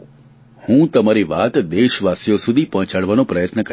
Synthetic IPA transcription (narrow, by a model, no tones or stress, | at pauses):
hũt̪əmaɾiʋat̪d̪eʃʋasjosud̪ʱipəɦt͡ʃaɽʋanõpɾəjət̪nəkə